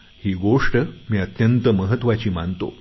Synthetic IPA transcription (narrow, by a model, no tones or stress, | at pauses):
hiɡoʂʈəmʲjat̪jɐnt̪əməɦɐt̪wat͡ɕimant̪o̰